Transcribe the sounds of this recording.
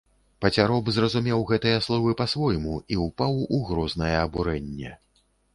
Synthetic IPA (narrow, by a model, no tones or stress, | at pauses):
pɐt͡sʲaɾɔbzrɐzumʲɛwɣɛt̪ɨjɐslˠɔvɨpɐsvɔjmuiupawuɣɾɔznɐjɛːbuɾɛnʲːɛ